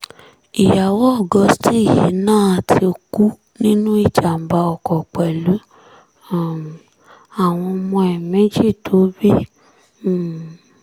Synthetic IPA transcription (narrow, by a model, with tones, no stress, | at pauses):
i˨ja˨wɔ˦ɔ˦˨ɡɔ˨˧˦sti˦i˨ji˨˦nãː˦˨a˨tʰi˧o˧ku˦ | nĩ˦nũ˦i˦˨t͡ʃa˨m̩˨ba˧ɔ˨kɔ˨k͡pɛ˨lu˨˦˨ | a˨w̃ɔ̃˧mɔ̃˧ɛ˨mɛ̃˨˦d͡ʒi˦˨tʰo˨˦bi˦˨